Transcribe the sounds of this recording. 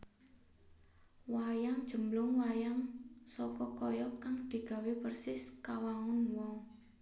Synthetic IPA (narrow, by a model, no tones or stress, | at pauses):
wajaŋd̥ʒ̥ə̤mlʊŋwajaŋsɔkɔkɔjɔkaŋd̪̥i̤ɡ̥a̤wepərsɪskawaŋʊnwɔŋ